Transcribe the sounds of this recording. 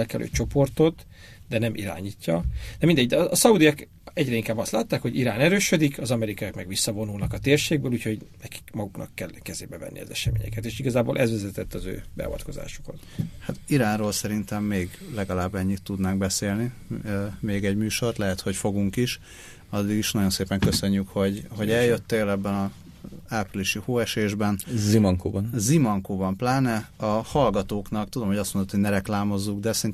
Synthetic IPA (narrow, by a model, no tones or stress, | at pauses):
ɛlkɛlʔø̰ːt͡ʃo̞po̞rt̪o̞t̪ | d̪ɛnɛmʔḭɾa̰ːɲiːcːɒd̪̥ɛmind̪ɛɟːd̪ɛɒːsɒud̪ijɒk | ɛɟɾɛiŋkaːbɒst̪laːt̪ːaːkho̞ɟiɾaːnɛɾøːʃød̪ikʰɒzɒmɛɾikɒjakmɛɡʋisːɒvo̞nulnɒkɒt̪eːrʃeːɡ̚bøːluːcho̞ɟnɛki̥kmɒɡuknɒ̰kːɛlkɛzḛːbɛvɛ̰nːʔḭɒ̰zɛ̰ʃɛmḛːɲɛ̰kɛt̪eːʃiɡɒzaːbo̰ːlʔɛzʋɛzɛt̪ɛt̪ːɒzø̰ːbɛ̰ɒ̰vɒ̰t̪ko̞za̰ːʃo̥ko̞nhat̪iɾaːnroːlsɛɾint̪ɛmːeːɡlɛɡɒlaːbːɛɲːit̪ːud̪naːŋɡbɛseːlni | meːɡɛɟmyːʃo̞rt̪lɛɦɛt̪ho̞cfo̞ɡuŋkiʃ | ɒd̪ːiɡiʃnɒɟo̞nseːpɛŋkøsø̞ɲːykho̞ɟɦo̞ɟɛljøt̪ːeːlɛbːɛnɒ | aːpriliʃihoːɛʃeːʒbɛnzimɒŋko̰ːbɒnzimɒŋkoːbɒmplaːnɛɒhɒlɡɒt̪oːknɒkt̪ud̪o̞mhoɟɒst̪mo̞nd̪ot̪ʰoɟnɛɾɛklaːmo̞zːuɡd̪ɛsɛin